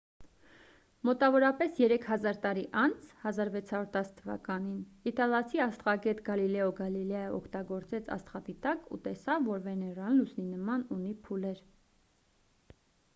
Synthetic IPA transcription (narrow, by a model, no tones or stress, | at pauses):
mɔt̪ɑvɔɾɑpɛsjɛɾɛkʰhɑzɑɾt̪ɑɾiʔɑnt͡sʰhɑzɑɾvɛt͡sʰhɑɾuɾt̪ɑsə̥t̪ʰːəvɑ̰kɑninit̪ɑlɑt͡sʰiɑst̪ʁɑɡɛt̪ɡɑlilɛɔɡɑlilɑjəʔɔkʰt̪ɑɡɔɾt͡sɛt͡sʰɑ̰st̪χɑt̪it̪ɑkṵt̪ɛsɑvːɔɾvɛnɛrɑllusʰninəmɑnunipʰulɛɾ